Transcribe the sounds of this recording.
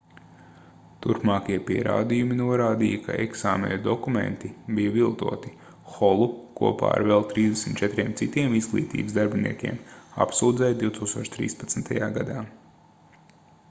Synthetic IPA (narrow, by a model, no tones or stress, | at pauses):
t̪uɾpmaːkiɛpiɛɾa̰ːd̪ijuminuɔɾaːd̪ijɐkʰa̰eksaːmḛnd̪ɔkumḛ̃nt̪ibijɐvilˠt̪ṵɔt̪i | xɔlˠukṵɔpa̰ːa̰ɾvɛlˠt̪ɾiːzd̪esmʲit̪t͡ʃɛt̪ɾʲiɛmt̪sit̪iɛmizɡlˠḭːt̪ḭːbəsd̪aɾbʲinḭɛkʲḭɛma̰psuːd̪zɛjd̪iwt̪uːkst̪uɔt͡ʃt̪ɾḭːspɐt̪snt̪ajaːɡad̪aː